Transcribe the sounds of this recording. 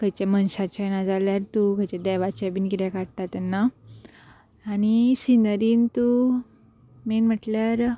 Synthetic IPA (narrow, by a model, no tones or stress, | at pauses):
kəjt͡ɕamənɕat͡ɕanad͡zaljaɾt̪ukəjt͡ɕed̪ɛʋat͡ɕebinkit̪ɛ̃kaɽt̪at̪ːɛnːa | ñisinəɾiːnt̪u | menm̤əʈljaɾ